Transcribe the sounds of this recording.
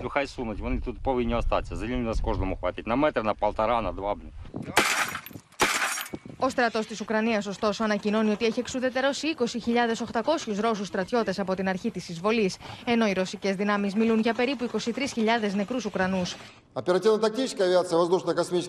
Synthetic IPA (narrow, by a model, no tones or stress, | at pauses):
lʲuxajsunɐtʲvɐnɨt̪ut̪povʲinʲoɐst̪a̰t̪ʲsʲɐzɐlʲimʲiɐskoʐnomuxvɐt̪ʲitʲnɐmɛt̪ɾɨnɐpɐlˠt̪ɐɾanɐd̪vabnʲi | o̞st̪ɾɐt̪o̞st̪isukɾɐniɐso̞st̪o̞so̞ɐnɐcino̞nio̞t̪ieçie̞ksuðe̞t̪e̞ɾo̞siiko̞siçiʎɐðe̞so̞xt̪ɐko̞sçuzɾo̞sust̪ɾɐt̪ço̞t̪e̞sɐpo̞t̪inɐɾçit̪isizvo̞lise̞no̞iɾo̞sice̞zðinɐmizmilunʝɐpe̞ɾipuiko̞sit̪ɾisçiʎɐðe̞zne̞kɾusukɾɐnus | ɐpʲɪɾɐtʲivnɐt̪ɐk̪̚ʲijʃʲskʲiɐvʲiat̪sɨjəvɐzd̪uʃnəjkɐsmʲit͡ʃɪ